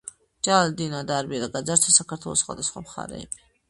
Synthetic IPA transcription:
d͡ʒald̪inad̪aɾbiɾaɡad̪zaɾt͡ʃ̪ʰasakʰaɾt̪ʰwɛlˠɔ̰sχwa̰d̪asχwa̰mχa̰ɾɛ̰ːbi

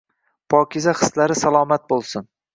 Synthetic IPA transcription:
pʰɒːkʲʰɪzaχɨ̥slaɾɪsalˠɒːmat̪̚bolˠsʊn

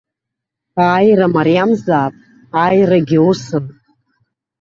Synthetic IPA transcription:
aːjramaɾijamzaːpʼ | ajraɡʲɪwusɨn

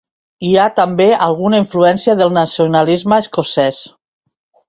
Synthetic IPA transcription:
iat̪ambealˠɣunaiɱfluɛnsiaðəlˠnasionalizməeskosɛs

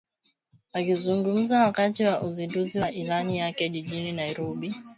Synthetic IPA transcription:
akizuŋɡum̩zawakatiwaʔuzinduziwaʔilanijakɛʄiʄininaiɾɔɓi

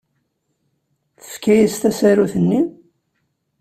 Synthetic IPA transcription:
θə̥fkːæjist̪æsæɾuθənːi

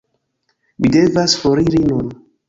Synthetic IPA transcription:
mide̞vasfoɾiɾinun

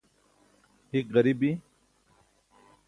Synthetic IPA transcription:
hikʁɐɾibi

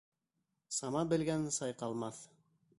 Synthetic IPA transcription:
sɑmɑbɘ̆lɡænsɑjqɑlˠmɑθ

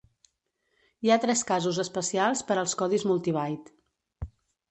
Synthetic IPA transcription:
iat̪ɾɛskazuzəspəsialˠspəɾəlˠskɔðizmulˠt̪iβajt̪

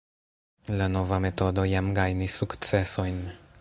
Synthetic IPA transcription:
lano̞vame̞to̞do̞jamɡajnisːukt͡se̞so̞jn

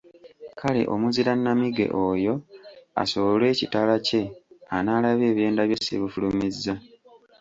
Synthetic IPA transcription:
kʰale̞̰ʔo̞̰muziɾanːamiɡe̞̰ʔoːjo̞a̰soolwe̞ːcitalace̞anaːlaβe̞ːβje̞ːndaβjo̞sḛβifulumizːa

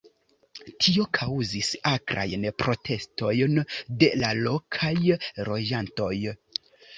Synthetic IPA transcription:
tʰio̞kʰawzisakɾa̰jnpɾo̞tʰe̞sto̞jnde̞lalo̞kʰajɾo̞d͡ʒanto̞j

